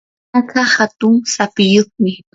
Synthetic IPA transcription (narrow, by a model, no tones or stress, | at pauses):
akahat̪ʊŋsapɪjoχmɪ